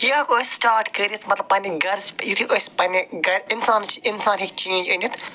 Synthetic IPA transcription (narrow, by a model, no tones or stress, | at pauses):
iakosʲsʈaːɾʈkəːɾʲiit̪ʰmɐt̪lɐb̚pɐniɡɐɾsʰpjit̪ʰiʔosʲpɐniɡɐɾinsaːnt͡ʃʰiʔinsaːnɦik̚t͡ʃẽːnd͡ʒɐnʲit̪ʰ